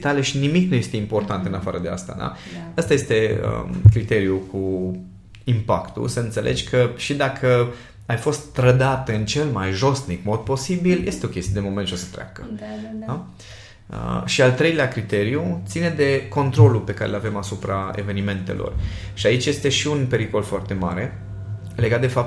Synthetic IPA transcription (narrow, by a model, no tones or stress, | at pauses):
t̪aleʃinimiknuje̞st̪e̞impo̞rt̪ant̪ɨnafaɾəd̪ea̰st̪a̰d̪a̰əst̪aje̞st̪e̞ə̰kɾit̪e̞ɾiukʰu | impa̰kt̪ṵsəɨnt̪se̞lʔe̞d͡ʒʲkʰəʃid̪akʰə | ajfo̞st̪ːɾəd̪at̪ɨnt͡ʃe̞lmajʒo̞st̪nikmo̞d̪̚po̞sibilje̞st̪eo̞kʲest̪ijed̪emo̞me̞nt̪t͡ʃosə̥t̪ɾea̰kə | ə̰ʃialt̪ɾe̞jleakɾit̪e̞ɾiut̪sine̞d̪e̞ko̞nt̪ɾo̞lupe̞kaɾelave̞masupɾae̞̰ve̞nime̞nt̪e̞̰lʔo̞̰rʃiait͡ʃje̞st̪e̞ʃiunpe̞ɾiko̞lfoart̪e̞ma̰ɾe̞ | le̞ɡat̪d̪e̞fap̚